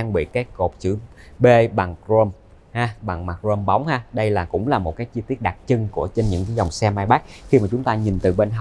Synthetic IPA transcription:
aː˧ŋɓḭ˧˨kaː˨˦˥jko˨˩p̚t͡ɕɨ̰˧˩ɓe˧ɓa˨˩ŋkɾo˧m | haː˧ɓa˨˩ŋmaː˨˩zo˧mɓa˨˦wŋ͡mhaː˧ɗə˧jlaː˨˩kʊ̰˧˥ŋ͡mlaː˨˩mo˨˩t̚kaː˨˦jt͡ɕɨ˧t̪i˦˥ət̚ɗa˨˩t̚t͡ɕɨ˧ŋku˧˩ət͡ɕe˧nɲɨ̰˧˥ŋkaː˨˦jzɔ˨˩wŋ͡msɛ˧maː˧jɓaː˦˥k̚xi˧maː˨˩t͡ɕʊ˨˦ŋ͡mt̪aː˧ɲi˨˩nt̪ɨ˨˩ɓe˧nɦa˨˩

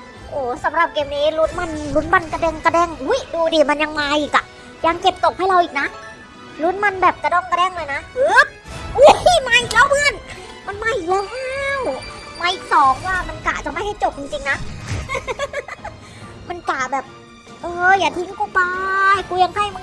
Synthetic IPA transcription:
ʔoː˨˩sa˨˦mɾa˨˩p̚keː˧mniː˦˥lu˧˦˥nma˧nlu˧˦˥nma˧˩nka˧dɛː˧˩ŋka˧dɛː˥˩ŋʔu˦˥jduː˧diː˧˩ma˧nja˧ŋmaː˧ʔiː˨˩k̚a˨˩ʔ | ja˧ŋke˨˩p̚t̪o˨˩k̚ha˥˩jɾa˧wʔiː˨˩k̚na˦˥ | lu˧˦˥nma˧nbɛː˨˩p̚ka˧˩dɔː˧˩ŋka˧dɛː˥˩ŋlɤː˧jna˦˥ʔɯ˦˥p̚ʔu˦˥maː˧˩jʔiː˨˩k̚lɛː˦˥˩wpʰɯ˧ə˨n | ma˧nmaː˧˩jʔiː˨˩klɛː˦˥˦ww | maː˧jʔi˨˩k̚sɔː˨˦ŋwaː˥˩ma˧nka̰˨˩t͡ɕa˨˩ma˥˩jha˥˩jt͡ɕo˨˩p̚t͡ɕi˧ŋt͡ɕi˧ŋna˦˥ | ma˧nkaː˨˩bɛː˨˩p̚ | ʔɤː˧˩jaː˨˩t̪ʰi˧˦ŋkuː˧˩pa˧kuː˧ja˧ŋkʰa˧˥˩jmɯ˧

